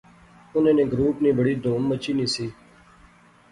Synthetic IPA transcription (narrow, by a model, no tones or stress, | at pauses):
ʊnẽːnẽːɡɾuːpniːbəɽiːd̪oːmmət͡ʃiːnĩːsiː